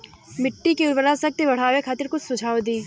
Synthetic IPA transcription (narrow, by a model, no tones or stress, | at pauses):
mɪʈːikiʊlbəɾasɐk̚t̪ebɐɽ̤aːwekʰaːt̪ɪɾkʊt͡ʃsʊ̃d͡ʒʱaːod̪iː